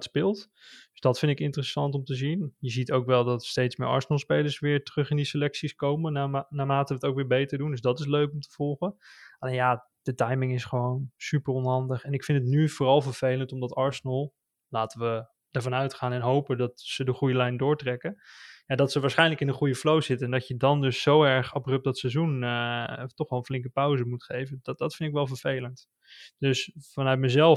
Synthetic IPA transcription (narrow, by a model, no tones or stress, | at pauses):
tspɪlˠt | d̥ɵzdɑtfɪntɪkɪntərəsɑntɔmtəzinjəzitowkʋɛlˠdɑtstejtsmɪ̰ɹɑ̰ɹsənəlˠspejləɹsʋɪːɹtərɵχɪndisəlɛksiskowmənnaːmaːtəəətowkʋɪːɹbejtəɹdundɵzdɑtɪs̬løɥkɔmtə̥v̥ɔlˠχəɑlejnjaː | d̥ətɑjmɪŋɪsχəʋownsypərɔnɦɑndəχɛnɪkfɪntətnyvʊːrɑlˠvəɹv̥ejləntɔmdɑtɑɹsənəlˠ | laːtəʋə | dəɹvɑnœɥtχaːnɛnɦowpədɑtsədəχujəlɛjndʊːɹtrɛkəjaːdɑtsəʋaːɹsχɛjnləkɪnəχujəflowzɪtəɛndɑcjədɑndɵsːowɛɹχɑbrøp̚dɑtsɛzunətɔχɛlˠənflɪŋk̬əpœwzəmutχejvəddɑtfɪntɪkʋɛlˠvəɹv̥ejlənt | d̥ɵsfɑnœɥt̚məzɛlˠ